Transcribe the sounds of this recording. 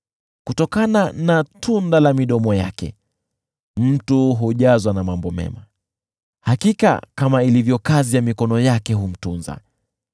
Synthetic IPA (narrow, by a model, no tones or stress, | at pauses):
kutɔkananatʰundalamiɗɔmɔja̰kɛ̰ | m̩tuɦuʄazwanamambɔmɛ̰ma | hakika̰kamailivjɔkazijamikɔnɔjakɛɦum̩tunza̰